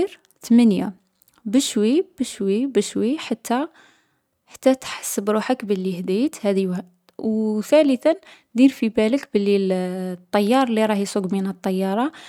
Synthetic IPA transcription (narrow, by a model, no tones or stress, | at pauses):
ɾ | t̪mənja̰ | bəʃwib̥əʃwibəʃwiħat̪ːæ | ħḁt̪ːæt̪ħḁsːəbɾuħəkbəlːihd̪it̪hæd̪iw | wt̪æləθən | d̪iɾfibæləkbəlːit̪ˤːɑjːɑɾˤliɾˤɑhjsˤuɡminət̪ˤːɑjːɑɾˤɑ